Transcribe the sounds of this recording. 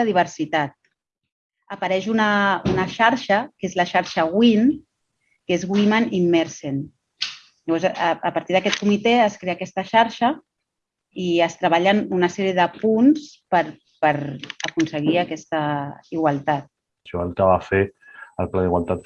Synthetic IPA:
əðiβ̞əɾsit̪at̪̚ | əpəɾɛʃunəunəʃaɾʃəkezlaʃaɾʃəɣwin | kezɣwimanimːɛɾsen | ʎəβɔɾzːpaɾt̪iðəkɛt̪̚kumit̪eəskɾeaːkɛst̪əʃaɾʃə | iəst̪ɾəβaʎənunəsɛɾiəðəpunspəɾ | pəɾəkunsəɣ̞iəkɛst̪əiɣwalˠt̪at̪̚ | ʃɔəlˠkaβafeəlˠplaðiɣwa̰lˠt̪at̪

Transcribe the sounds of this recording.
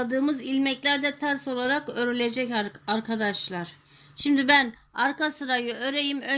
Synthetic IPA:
ad̪ɯːmɯzilʲmɛclʲæɾd̪ɛt̪ʰaɾso̞lˠaɾakøɾylʲed͡ʒɛcaɾkʰad̪aʃlˠaɾ̥ | ʃimd̪ibæn | aɾkasɯɾajɯøɾejimø

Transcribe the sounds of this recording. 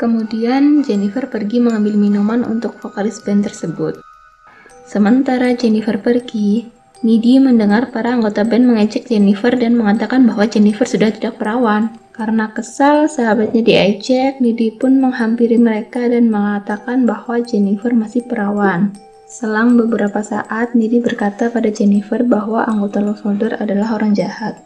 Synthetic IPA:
kəmudiand͡ʒɛnifərpərɡiməŋambɪlminumanṵnt̪ʊk̚fokalɪsbɛnt̪ərsəbʊt̪̚ | səmənt̪aɾad͡ʒɛnifərpərɡi | nidiməndəŋarpaɾaːŋɡot̪abɛnməŋad͡ʒɛk̚d͡ʒɛnifərdanməŋat̪akanbaɦwad͡ʒɛnifərsudaht̪idak̚pəɾawan | kaɾənakəsalsaɦabat̪̚ɲadiajd͡ʒɛk̚nidipʊnməŋhampiɾiməɾekadanməŋat̪akanbahwad͡ʒɛnifərmasɪhpəɾawan | səlaŋbəbəɾapasa̰ʔat̪̚nidibərkat̪apadad͡ʒɛnifərbaɦwaʔaŋɡot̪alɔsɔdəradalaɦoɾaŋd͡ʒahat̪̚

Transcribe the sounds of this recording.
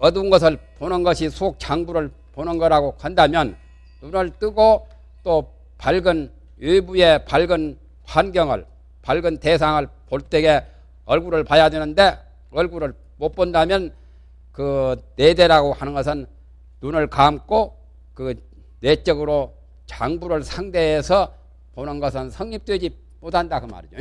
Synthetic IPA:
ʌdunɡʌs̬ʰɯɭponɯnɡʌɕʰisʰok̚t͡ɕʰaŋbuɾɯɭ | ponɯnɡʌɾaɡokandamjʌn | nunɯɭt͈ɯɡo | t͈o | paɭɡɯn | ubujepaɭɡɯn | ɸanɡjʌŋɯ̰ɭ | paɭɡɯntes̬ʰaŋɯɭpoɭt͈eɡe̞ | ʌɭɡuɾɯɭpajadwenɯnde̞ | ʌɭɡuɾɯɭ | mop͈ʌndamjʌn | kɯnede̞ɾaɡohanɯnɡʌsʰɯn | nunɯɭkamk͈ʰo | kɯ | net͡ɕ͈ʌɡɯɾo | t͡ɕaŋbuɾɯɭsʰaŋde̞ːsʰʌ | ponɯnɡʌsʰɯnsʰʌŋɲip̚t͈wed͡ʑi | motʰandakɯma̰ɾid͡ʑo

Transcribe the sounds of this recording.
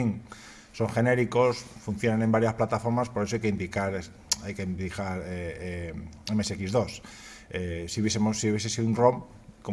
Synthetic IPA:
iŋ | so̞ŋxe̞ne̞ɾiko̞sfun̟θjo̞nane̞mbaɾjasplat̪afo̞ɾmaspoɾe̞s̬oajkeind̪ikaɾe | ajkend̪ikaɾeeemeseekizðo̞s | esiuβjeemosiuβje̞sesiðunrom | ko

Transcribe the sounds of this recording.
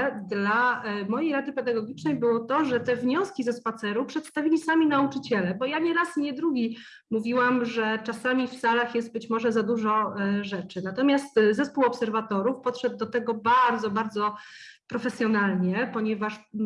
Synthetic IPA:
d̪lamɔjejɾad̪ɘpɛd̪aɡɔɡʲit͡ʂnɛjbɘwɔt̪ɔʐɛt̪ɛvɲɔskʲizɛspat̪sɛɾupʂɛt̪st̪avʲilʲisamʲinaut͡ʂɘt͡ɕɛlɛbɔjaɲɛɾasɲɛd̪ɾuɡʲi | muvʲiwamʐɛt͡ʂasamʲifsalaxjɛst̪̚bɘt͡ɕmɔʐɛzad̪uʐɔʐɛt͡ʂɘnat̪ɔmʲjast̪zɛspuwɔpsɛɾvat̪ɔɾufpɔt̪ʂɛd̪̚ːɔt̪ɛɡɔbaɾd̪zɔbaɾd̪zɔpɾɔfɛsʲjɔnalɲɛpɔɲɛvaʂ

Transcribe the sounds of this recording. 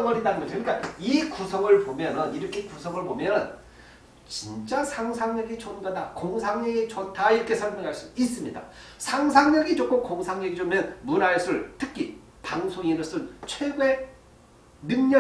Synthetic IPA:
ʌŋɯɾɦedanɯnɡʌikɯɲik͈aikusʰʌŋɯɭpomjʌnɯniɾʌkʰe̞kusʰʌŋɯɭbomjʌn | t͡ɕint͡ɕ͈asʰaŋsʰaŋɲʌɡit͡ɕʌnɡadakoŋsʰaŋɲeɡit͡ɕʌtʰaiɾʌkʰe̞sʰʌɭmjʌŋɦaɭs͈uis͈ɯmɲida̰sʰaŋsʰaŋɲeɡit͡ɕok͈ʰɯmkoŋsʰaŋɲʌɡid͡ʑomʌnmuɾaesʰɯɭtʰɯkʰi | paŋsʰoŋiɾɯs͈ʰɯnt͡ɕʰwe̞ɡwe | muŋɲʌ

